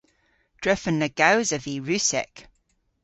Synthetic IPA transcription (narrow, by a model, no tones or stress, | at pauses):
d̥ɹɛfənːəɡ̥awzəviɹʉˑsɛ̰k